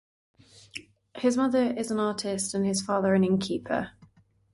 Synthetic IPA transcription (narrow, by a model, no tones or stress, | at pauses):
hɪzmʌðəɹɪzə̃nɑˑtʰɪstə̃nɪz̥fɑːðəɹə̃nɪ̃nkʰiˑpʰə̰